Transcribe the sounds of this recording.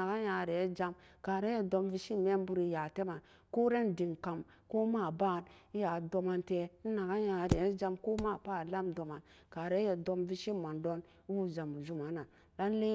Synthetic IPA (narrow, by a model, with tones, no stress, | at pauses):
a˨ka˦ja˨ɾe˨˦d͡ʒa˧mka˨ɾe˦je˨do˧mvi˧ʃi˦me˦m˦bu˦ɾi˨ja˨te˦ma˨ | ko˦ɾe˦ndi˨ŋka˨m | ko˦ma˦˨ba˦˨ni˦ja˨do˧ma˧nte˨˦n̩˦na˨ɡa˦ja˨ɾe˨˦d͡ʒa˧mko˦ma˦˨pa˦˨la˦mdo˨ma˨n | ka˨ɾe˦je˨do˧mvi˦ʃi˦ma˨ndo˦n˦ | wu˦za˨mu˨d͡ʒu˦ma˨˦na˨ | la˦n˦le˦